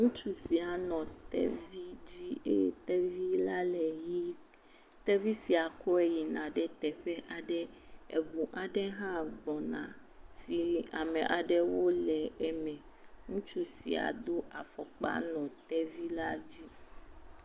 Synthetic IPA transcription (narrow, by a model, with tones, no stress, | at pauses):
ŋũ˦t͡ʃu˦si˨a˨nɔ̃˨t̪ɛ̰˦vi˦d͡ʑi˦ḛ˦t̪ɛ˦vi˦la˦lɛ˨ji˦ | t̪ɛ˦vi˦si˨a˨kɔ˦e˨ji˨nã˨ɖɛ˦t̪ɛ˨ɸɛ˦ʔa˨ɖɛ˦ḛ˨bu˨ʔa˨ɖɛ˦ɦã˦bɔ˨nã̰˨ | si˨a˨mɛ̃˨ʔa˨ɖɛ˦wo˦lɛ˨ɛ˦mɛ̃˨ | ŋũ˦t͡ʃu˦sḭ˨a̰˨d̪o˦ʔa˨fɔ˨k͡pa̰˦nɔ̃˨t̪ɛ˦vi˦la˦d͡ʑi˦